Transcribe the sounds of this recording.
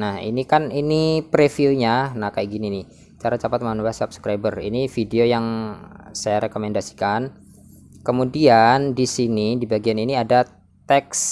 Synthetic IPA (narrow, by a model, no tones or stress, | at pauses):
nahḭnikaninipɾefilɲanahkajʔɡinini | t͡ʃaɾat͡ʃapat̪̚manuɾasapskɾajbərḭnifideojaŋsajaɾekomɛndasi̥kan | kəmudiandisinidibaɡianiniada | t̪ɛks